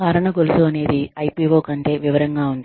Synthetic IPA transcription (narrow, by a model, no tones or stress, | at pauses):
kaːɾɐɳɐɡolusuɐne̞ːd̪iɐjpiːʋoːkɐɳʈe̞ːʋiʋɐɾɐŋɡaːund̪i